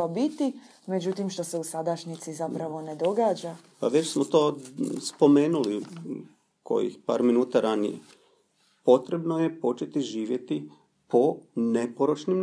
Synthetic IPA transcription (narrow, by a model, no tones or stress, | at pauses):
abit̪i | me̞d͡ʑut̪imʃt̪o̞seusad̪aʃɲit̪sizapɾaʋo̞ne̞d̪o̞ɡaːd͡ʒa | paʋet͡ɕsmot̪o̞ːspo̞me̞ːnuli | kʰo̞̰jḭxpa̰ːɾminuːt̪aɾanḭjḛ | po̞t̪ɾe̞bno̞je̞po̞t͡ʃe̞t̪iʒiːʋje̞t̪i | po̞ne̞poɾot͡ʃnim